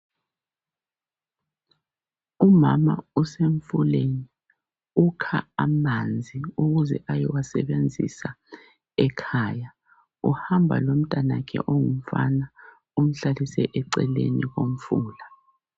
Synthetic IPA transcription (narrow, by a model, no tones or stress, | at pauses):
umama̰useɱfuleni | ukʰaamand͡zʱiuɣuzɛ̰ʔajɛwasɛβend͡zʱḭsa | ɛkʰaːja | ṵhambʱa̰lom̩tʼanakʰɛ̰ʔoŋum̩fa̰na | um̩ɬalisɛʔɛǀɛleniɣom̩fuːla